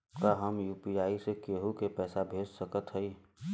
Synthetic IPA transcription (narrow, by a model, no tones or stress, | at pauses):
kaɦəmjuːpiaːisekeːɦukepɛːsabʱeːd͡ʒsəkət̪ɦɛi